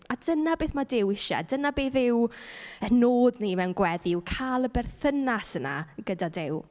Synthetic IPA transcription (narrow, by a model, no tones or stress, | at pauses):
adənabeːθmadɪwɪʃa̰dənabeːθɪwənoːdnimɛwnɡwɛðɪwkʰalˠəbɛrθənasəna̰ɡ̥ədadɪw